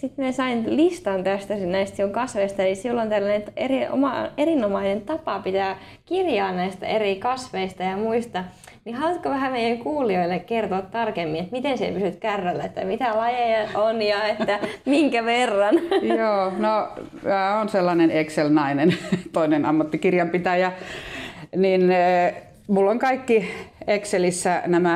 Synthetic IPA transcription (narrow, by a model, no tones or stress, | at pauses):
sit̪miæsɑinlist̪ɑnt̪æst̪æsinæist̪sioŋkɑsʋeist̪ɑelisilːont̪ælːænent̪erio̰mɑ̰erinomɑinent̪ɑpɑpit̪æː | kirjɑːnnæist̪æ̰erikɑsʋeist̪ɑjɑmuist̪ɑ | nihɑlut̪koʋæhæmeijæŋkuːlioilːekkert̪oːt̪t̪ɑrkemːinet̪mit̪ensḛpysyt̪kærːælːæet̪ːæ̰mit̪ælɑjeɑonjɑet̪ːæmiŋkæʋerːɑnjoːno | mæːonselːɑnenekselnɑinent̪oinenɑmːɑt̪ːikirjɑmpit̪æjæ | nin | mulːoŋkɑikːiekselisːænæmæ